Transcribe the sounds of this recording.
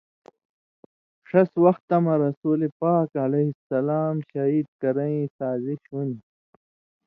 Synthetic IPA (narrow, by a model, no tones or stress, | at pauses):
ʂɐswɐxt̪ɐmɐɾɐsuːlepaːkɐlehisɐlaːmɕɐɦiːd̪̚kɐɾɐĩsaːziɕɦuni